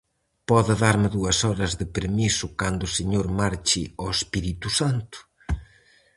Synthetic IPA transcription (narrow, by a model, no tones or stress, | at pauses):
pɔðɪðaɾmɪðuɐsɔɾɐzðɪpeɾmisʊkand̪ʊːseɲoɾmaɾt͡ʃɪɔespiɾit̪usant̪ʊ̥